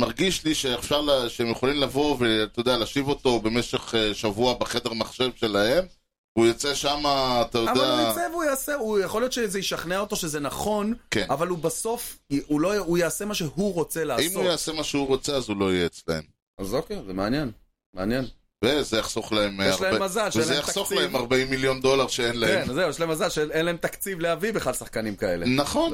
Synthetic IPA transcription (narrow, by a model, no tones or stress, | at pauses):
maʁɡiʃliʃeːfʃaʁlaʃeemjeχolimlavo̞veat̪ajod̪ealaːʃivo̞t̪o̞be̞meʃe̞χeʃavuabeχed̪eʁmaχʃe̞vʃe̞lahem | vujot͡seʃamaːt̪ajoavdeaaevujaːseujaχo̞ljo̞t̪ʃezejiʃaχneaoto̞ʃezenaχo̞nkenavalubaso̞fulo̞ujaase̞maʃehuʁo̞t͡seleaismujaasemaʃehuʁo̞t͡seazulo̞jeet͡slaḛm | azokejzemeanjen | meanjen | vezejaχsoχlaemjeɛʃlahemazalʃeenaejaχasoχlaemaʁbaimːiljo̞nd̪o̞laʁʃeenlakeenzeujɛʃlaemazalʃeenlae̞mt̪akt͡sivlehavibeχadsaχkanimkae̞̰le̞naχo̞n